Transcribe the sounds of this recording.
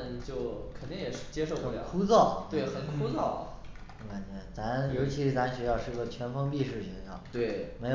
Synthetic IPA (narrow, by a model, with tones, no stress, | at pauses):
nt͡ɕjo˥˧ʊkʰə˨˩nt̪i˥ŋjɛ˨˩ʂɻ̩˥˩t͡ɕjɛ˥ʂo˥˩ʊə˩˧t̪kʰu˥t͡sɑ˥˩ʊwe˥˩ɪxə˨˩nkʰu˥t͡sɑ˥˩ʊ˧˥˩ | ka˨˩nt͡ɕɥɛ˧˥t͡sa˧˥njo˧˥ʊt͡ɕʰi˧˥ʂɻ̩˥t͡sa˧˥˧ɕɥɛ˧˥jɑ˥˧ʂɻ̩˥˩˥ɡə˥˩t͡ɕʰɥɛ˧˥nfɤ˥ŋpi˥˧ʂɻ̩˥˩ɕɛ˧˥nʂɑ˥˩t̪we˥˩ɪme˧˥